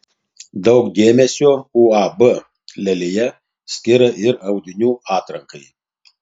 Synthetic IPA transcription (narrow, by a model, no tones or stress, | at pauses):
d̪ɐʊkd̪ʲeːmʲɛsʲoːuːɑbə | lʲɛlʲɪjɛ | sʲkʲɪɾɐʔɪɾɐʊd̪ʲɪnʲuːɑːt̪ɾɐŋkɐɪ